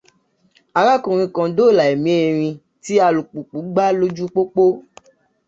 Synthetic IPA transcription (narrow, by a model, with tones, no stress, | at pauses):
a˨ɣa˦kũ˨ɾ̃ĩ˧kã˧do˦˨la˨e˨mĩ˨˦e˧˨ɾ̃ĩ˧ | ti˦a˧lu˨k͡pu˨k͡pu˨˦ɡ͡ba˦lo˦d͡ʒu˦k͡po˦k͡po˦